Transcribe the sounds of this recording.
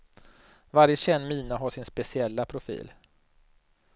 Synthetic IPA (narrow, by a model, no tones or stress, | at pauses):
vaɾjəɕɛnːmiːnaɦaʂɪnspɛsɪɛlːapʰɾʊfḭːl